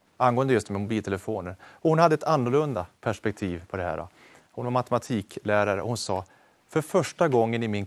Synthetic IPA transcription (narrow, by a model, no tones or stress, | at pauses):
anɡoːənd̪əjɵst̪mɛmʊbiːlt̪ʰɛləfoːnəɾɔhʊnhad̪ːəɛt̪anːʊɭɵnd̪apʰæʂpɛk̚t̪ʰiːvpʰɔd̪ɛɦæ̰ːɾɖɔ̰ | hʊnvaɾmat̪əmat̪ʰiːkʰlæːɾaɾə̰ʔɔhʊnsɑː | fœɾfœʂʈaɡɔŋːənɪmɪn